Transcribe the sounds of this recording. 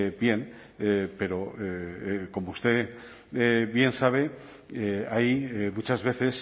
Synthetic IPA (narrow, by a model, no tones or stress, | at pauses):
bje̞n | pe̞ɾo̞ | ko̞moust̪e̞ | βje̞nsaβ̞e̞ | ajmut͡ʃazβe̞θe̞s